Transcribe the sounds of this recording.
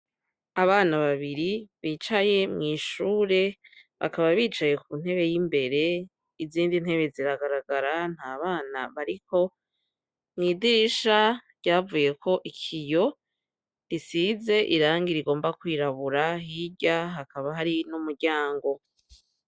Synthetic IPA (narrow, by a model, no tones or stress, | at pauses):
aβaːnaβaβiɾiβiːt͡ʃaje̞mŋiːʃuːɾe̞ | βa̰kaβaβiːt͡ʃaje̞kun̥he̞βe̞jimbe̞ɾe̞ | iziːndin̥he̞βe̞ziɾaɡaɾaɡaɾan̥haːβaːnaβaɾiko̞ | mŋiːdiɾiʃaɾɟ̥aːvuje̞kʰo̞ʔikʰijo̞ | ɾisize̞ʔiɾaːŋɡiɾiɡo̞ːmbakwiːɾaβuɾahiɟaɦakaβaɦaɾinumuɾɟaːŋɡo̞